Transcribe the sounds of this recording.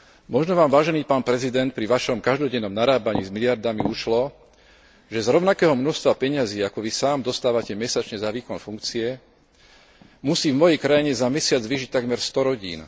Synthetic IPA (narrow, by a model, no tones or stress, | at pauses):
mɔʒnɔʋaːmʋaːʒɛniːpaːnpɾɛzid̪ɛnt̪̚pɾiʋaʃɔmkaʒd̪ɔɟɛnːɔmnaɾaːbaɲiːzmilɪaɾd̪amiuʃlɔ | ʒɛzɾɔʊnakɛːɦɔmnɔʃst̪ʋapɛɲaziːakɔʋisaːmd̪ɔst̪aːʋacɛmɛsat͡ʃɲɛzaʋiːkɔnfuŋkt͡siɛ | musiːvmɔjɛjkɾajiɲɛzamɛsɪad͡zʋiːʒic̚t̪aɡmɛɾst̪ɔɾɔɟḭːn